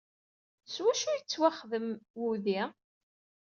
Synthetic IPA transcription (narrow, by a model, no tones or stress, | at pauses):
swæʃujət͡sːwæχðəmwuði